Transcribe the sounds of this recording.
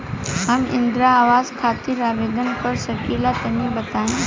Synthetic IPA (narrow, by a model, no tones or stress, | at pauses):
ɦɐmɪ̰̃nd̪ɾaːʋaːzkʰaːt̪ɪɾaːʋeːd̪ənpɐɾsɐkiːlat̪ɐmĩbɐt̪aːĩ